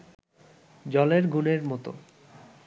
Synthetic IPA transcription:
d͡ʑɔleɾɡʱuneɾmɔt̪o̰

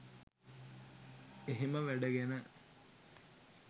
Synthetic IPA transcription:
eɦiməʋæɖəɡenə

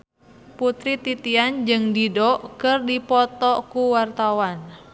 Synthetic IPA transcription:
put̪ɾit̪it̪iand͡ʒɨŋdidɔkɨrdipɔt̪ɔkuwart̪awan

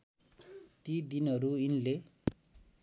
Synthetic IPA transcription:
t̪id̪inʌɾuinle

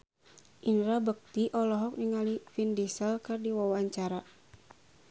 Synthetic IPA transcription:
ʔinɾabək̚t̪iʔɔlɔɦɔk̚niŋalifindisəlkɨrdiwawaɲt͡ʃaɾa

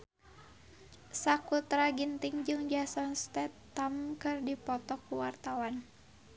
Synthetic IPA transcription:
sakut̪ɾaɡint̪iŋd͡ʒɨŋd͡ʒasɔnst̪ɛt̪ːamkɨrdipɔt̪ɔkuwart̪awan

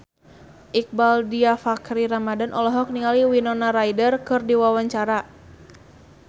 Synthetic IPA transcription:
ʔik̚baldiafakɾiɾamadanʔɔlɔɦɔk̚niŋaliwinɔnaɾajdərkɨrdiwawaɲt͡ʃaɾa

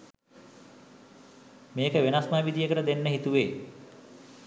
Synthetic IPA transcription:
meːkəʋenasmaːʋid̪ijəkəɾəd̪enːəɦit̪uʋeː

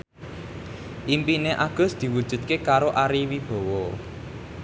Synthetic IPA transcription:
ʔimpineʔaɡ̥ʊ̤sd̪̥i̤wud̥ʒ̥ṳd̪̚kekaɾoʔaɾiwib̥ɔ̤wɔ

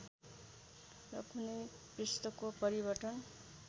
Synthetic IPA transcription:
rʌkunej | prist̪ʌkopʌɾibʌʈʌn

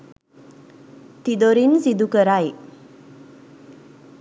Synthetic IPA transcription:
t̪id̪oɾinsid̪ukəɾaj

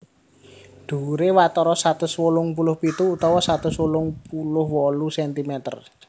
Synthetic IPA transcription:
ɖ̪̥ṳɾewat̪ɔɾɔsat̪ʊswolʊŋpulʊhpit̪uːt̪ɔwɔsat̪ʊswolʊŋpulʊhwɔlusɛnt̪imɛt̪ə̰r

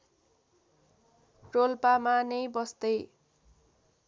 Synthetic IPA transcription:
rolpamanʌjbʌst̪ʌj

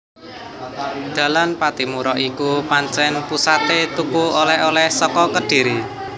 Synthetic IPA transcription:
d̪̥ä̤lanpat̪imuɾɔʔikupaɲt͡ʃɛnpusat̪et̪ukuolɛholɛhsɔkɔkəɖ̥i̤ɾi

